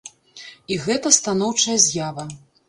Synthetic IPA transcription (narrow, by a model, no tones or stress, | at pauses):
iɣɛt̪ɐst̪anɔwt͡ʂɐjɐzʲjavɐ